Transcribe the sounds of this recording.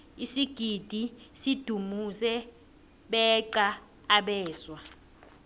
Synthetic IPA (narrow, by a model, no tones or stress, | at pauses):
isiɡ̥ʱid̥ʱisid̥ʱumusɛ | ɓɛǃaː | ɓɛːswa